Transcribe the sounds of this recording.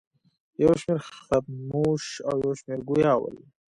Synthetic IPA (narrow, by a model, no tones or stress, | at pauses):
jawʃmeɾxat̪̚muʃawjawʃmeɾɡujɑwə̰l